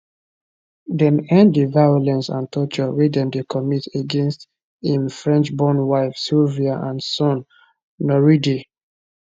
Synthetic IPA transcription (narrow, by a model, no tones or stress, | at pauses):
dɛ̃nɛ̃nddəvajɔlɛ̃nsã̰ntʰɔt͡ʃɔɹidɛ̃ndekʰɔmiteɡɛ̃nst | ĩmfɹɛ̃nt͡ʃbɔ̃nwaɪfsilviaʔãnsɔ̃nː | ɔɹidi